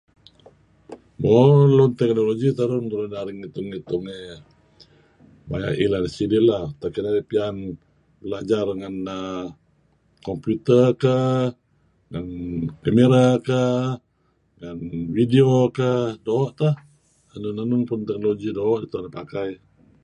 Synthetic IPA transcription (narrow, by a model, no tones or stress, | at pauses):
molɔnt̪ɛk̚noloɡit̪aɾʊnt̪uɾʊnaɾiŋit̪ʊŋit̪ʊŋe | baja̰ʔilansidiʔlaht̪akinaipian | bəlad͡ʒarŋanə | kɔmput̪əkə | ŋankameɾakə | ŋanvidiokədoːʔt̪ah | anʊnanʊnpʊnt̪ɛk̚noloɡidoːʔit̪unapakaj